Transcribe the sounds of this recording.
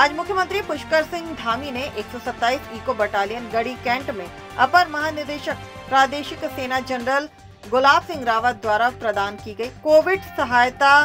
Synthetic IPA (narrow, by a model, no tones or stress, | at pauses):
aːd͡ʒmʊkʰjəmə̃nt̪ɾipʊʃkəɾsɪ̃ŋɡd̪ʱaːmineʔeːksɔːsɐt̪ːaːiːsiːkobɐʈaːlijənɡɐɽikɛ̃ːɳʈmẽ | ɐpəɾmɐɦaːnɪɾd̪eːʃək̚ | pɾaːd̪eːʃɪkseːnad͡ʒɐnɾəl | ɡʊlaːbsɪ̃ŋɡɾaːʋət̪̚d̪ʋaːɾapɾɐd̪aːnkiɡɐiːkoːʋɪɖsɐɦaːjt̪a